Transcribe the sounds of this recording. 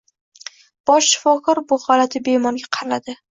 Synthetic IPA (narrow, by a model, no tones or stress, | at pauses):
b̥ɒʃːɪ̥fɒkʰɒɾbʊχɒlat̪ʰɪbemɒnɡʲaqʰɑɾlad̪ɪ